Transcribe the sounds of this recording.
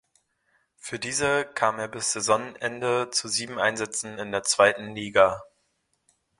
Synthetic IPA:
fyːɐdiːzəkʰaːmeːɐbɪsz̥ezɔŋʔɛndət͡suziːbm̩ʔaɪnzɛt͡sn̩ɪndeːɐt͡sv̥aɪtn̩liːɡa

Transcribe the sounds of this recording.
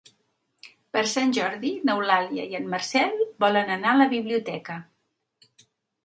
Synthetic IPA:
pəɾsanʲʒɔɾðinəwlaljə̰jənməɾsɛlˠbɔlənənaələβiβliut̪ɛkə

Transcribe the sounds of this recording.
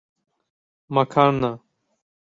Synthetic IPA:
mɐkʰaːɳna

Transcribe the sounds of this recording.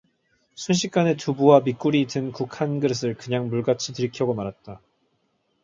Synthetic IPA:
sʰunɕ̬ʰik̚k͈anetubuwamik͈uɾitɯnkukʰanɡɯɾɯs̬ʰɯɭkɯɲaŋmuɭɡat͡ɕʰitɯɾikʰjʌɡomaɾɦat̚t͈a

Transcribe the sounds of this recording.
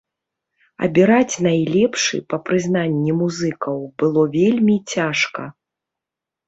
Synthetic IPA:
ɐ̰bʲiɾat͡sʲnajlʲɛpʂɨ̰pɐpɾɨzn̪anʲːimuzɨkɐwbɨlˠɔvʲelʲmʲit͡sʲaʂkɐ̰

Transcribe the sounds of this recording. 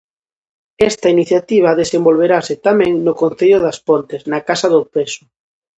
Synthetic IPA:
ɛst̪ainiθjat̪iβ̞aðesembolβeɾasɪt̪amɛ̃ŋnʊkonθeʎʊðaspont̪eznakasaðʊpesʊ̥

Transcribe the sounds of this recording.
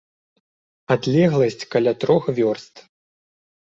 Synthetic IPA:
ad̪lʲɛɣlˠɐsʲt͡sʲkalʲat̪ɾɔxvʲɔrst̪

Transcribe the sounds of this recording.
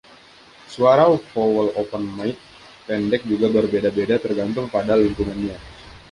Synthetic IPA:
suaɾawfowəlopənmajt̪̚ | pɛndɛk̚d͡ʒuɡabərbedabedat̪ərɡant̪ʊŋpadaliŋpuŋanɲa

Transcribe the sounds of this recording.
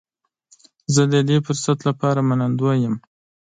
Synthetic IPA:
zəd̪əd̪efʊɾsat̪lapɑɾamanand̪wojəm

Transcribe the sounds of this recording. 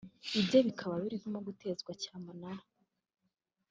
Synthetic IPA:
ibjo̞βikʰaβaβiɾiβimoɡute̞zɡwacaːmunaɾḁ

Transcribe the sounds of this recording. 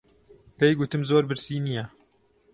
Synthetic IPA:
pejɡut̪ɨmzoːɾbɨɾsiːnijɛ

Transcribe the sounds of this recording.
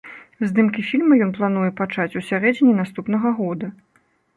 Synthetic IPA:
zʲd̪ɨmkʲifʲilʲmɐjɔnplˠan̪ujɛpat͡ʂat͡sʲusʲaɾɛd͡zʲinʲinast̪upnɐɣɐɣɔd̪ɐ

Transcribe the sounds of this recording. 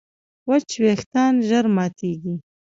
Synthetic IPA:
wat͡ʃweːxt̪ɑːnʒaɾmɑːt̪ʰeːɡi

